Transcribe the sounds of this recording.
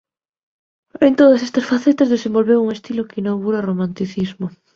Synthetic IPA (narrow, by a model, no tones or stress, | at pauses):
ent̪oðɐsest̪ɐsfaθet̪ɐzðesẽmbolβewuŋest̪ilokinoɣuɾɐromãnt̪iθizmo